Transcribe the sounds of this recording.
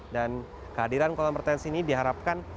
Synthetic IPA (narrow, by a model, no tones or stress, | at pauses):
dan | kəadiɾankolamərt̪ɛnsiːnidiɦaɾap̚kan